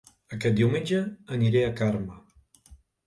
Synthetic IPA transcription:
əkɛt̪̚d̪iwmẽnʲd͡ʒəːniɾeəkaɾmə

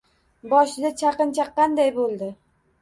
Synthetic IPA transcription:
bɒʃɪd̪at͡ʃʰɑqɨnt͡ʃʰaqʰːɑnd̪ajbolˠd̪ɪ

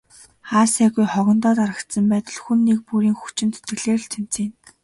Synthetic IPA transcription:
χaːsæːɣujχɔɣɞ̆nt̪ɔːt̪aɾə̆kt̪sə̆mpæːt̪ə̆ɮxunːek̚puɾiːŋxu̥t͡ɕɪ̆nt̪ɵ̥t̪ɡɘ̆ɮeːr̆ɮt̪ʰem̥t͡sĭːn

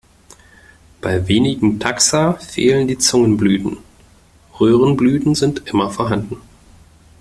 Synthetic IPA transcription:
b̥aɪveːnɪɡŋ̩tʰaksafḛːləndiːt͡sʊŋənblyːtn̩ | ʁøːʁ̞ənblyːtn̩zɪntʔɪmɐfoɔːɐɦandn̩

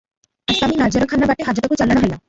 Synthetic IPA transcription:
aʃaminad͡ʑeɾokʰanːabaʈeɦad͡ʑaɾokut͡ɕalanoɦojlam

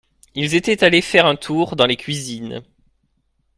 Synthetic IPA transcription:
ilzet̪ɛt̪alefɛʁɛ̃t̪ʰuʁd̪ɑ̃lekʲɥizin

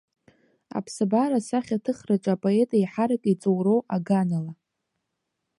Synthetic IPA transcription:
a̰pʰsabaɾasaχʲatʰɨχrat͡ʃʷʼapʼoe̞tʼajħaɾakʼit͡sʼowrowaɡanala

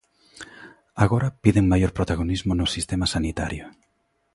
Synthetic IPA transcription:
aɣoɾɐpiðeŋmajoɾpɾot̪aɣ̞onizmʊnʊsist̪emasanit̪aɾjʊ

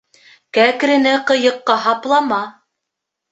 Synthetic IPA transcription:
kækɾɘ̆nɘqɤ̆jɤ̆qːɑɦɑplˠɑmɑ

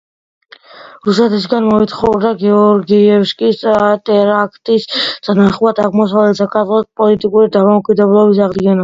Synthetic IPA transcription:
ɾusɛt̪ʰis̬ɡanmɔit̪χɔvɾd̪aɡɛɔɾɡiɛfʃkʼistʼat̪ʼɛɾakʰt̪ʼisʰʼanaχuad̪aʁmɔs̬avlɛt̪sʰakʰazʼɔt̪̚pʼɔlit̪ʼikʼuɾid̪amɔɔkʼid̪ɛblˠɔbis̬aʁd̪ɡɛna

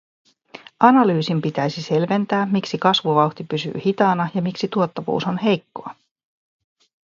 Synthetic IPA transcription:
ʔɑnɑlyːsimpit̪æjsise̞lʋe̞nt̪æːmmiksikɑsʋuʋɑwxt̪ipysy̰ːhit̪ɑːnɑjɑmiksit̪uot̪ːɑʋṵːso̞nɦe̞jkːo̞ɑ

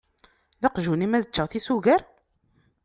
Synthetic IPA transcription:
ðɑqʒunimæðət͡ʃːəʁθisuɣəɾ

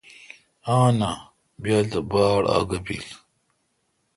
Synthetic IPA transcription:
aːna | bjaːd̪əbaːɽa̰ːɡɐbḭl

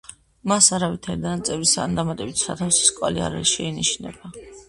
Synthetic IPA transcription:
masaɾavit̪ʰaɾid̪anat̪sʼɛvɾisaːnd̪amat̪ʼɛbit̪ʰsat̪ʰafsi̥skʼwa̰lia̰ɾɛ̰lʃɛiniʃnɛ̰ba

